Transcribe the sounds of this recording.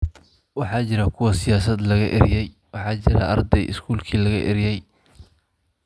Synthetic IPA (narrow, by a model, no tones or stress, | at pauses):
wɑħɑːt͡ʃɪɾɐkʰʊwɐsɪjaːsɐd̪lɐɣɐʔɪ̰ɾjɛj | wɑħɑːt͡ʃɪɾɐ̰ʔɐ̰rd̪ɛjʔɪ̰skʰuːlkʰiːlɐɣɐ̰ʔɪ̰ɾɪjɛj